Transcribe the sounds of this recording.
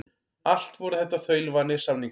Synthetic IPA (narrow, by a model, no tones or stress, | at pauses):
al̥t̪vɔɾʏθɛht̪ːaθœɥlvanːɪsamniŋ